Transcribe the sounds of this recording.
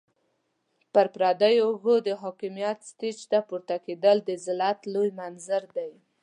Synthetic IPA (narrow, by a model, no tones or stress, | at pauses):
pəɾpɾɑd̪ajoɣod̪əɦɑkimjat̪st̪it͡ʃt̪apuɾt̪aked̪əld̪əzɪlat̪lojmanzaɾd̪aj